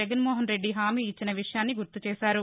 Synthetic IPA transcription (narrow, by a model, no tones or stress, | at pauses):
ɐɡɐnmɔːɦɐnɾeɖːiɦaːmiːt͡ʃːinɐʋiʂɐjaːnːiɡuɾt̪ut͡ʃɛːsaːɾu